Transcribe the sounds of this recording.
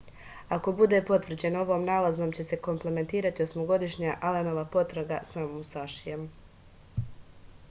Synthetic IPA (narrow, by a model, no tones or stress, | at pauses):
ako̞bud̪e̞po̞t̪ʋr̩d͡ʑe̞no̞ʋo̞ːmnaːlazno̞ːmt͡ɕe̞se̞ko̞mple̞me̞nt̪iːɾat̪io̞smo̞ɡo̞d̪iʃɲaːʔaleno̞ʋapo̞t̪ɾaɡasamomust̪aʃijem